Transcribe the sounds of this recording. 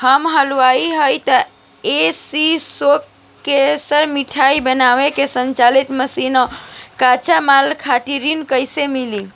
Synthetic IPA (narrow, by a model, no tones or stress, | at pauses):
həmɦəlʋaiɦəjt̪ə | esisokː | esəɾmiʈʰaibənawekesənt͡ʃalit̪məsinəkat͡ʃamalkʰaʈiɾinkəjsemili